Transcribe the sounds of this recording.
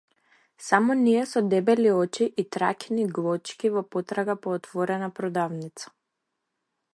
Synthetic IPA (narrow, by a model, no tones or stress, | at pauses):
samɔniɛsɔd̪ɛbɛliɔt͡ʃiʔit̪ɾakʲniɡlˠɔt͡ʃkʲivɔpɔt̪ɾaɡapɔːt̪vɔɾɛnapɾɔd̪avnit̪sḁ